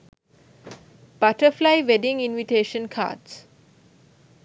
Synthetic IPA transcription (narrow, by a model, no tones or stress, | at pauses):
b̥aʈəflaɪʋeɖĩŋĩnʋiʈeːʃə̃nkʰa̰ːɖs